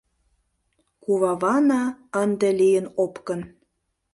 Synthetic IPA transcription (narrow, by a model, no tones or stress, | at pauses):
kuβɑβɑnɑənd̪elijənopkə̆n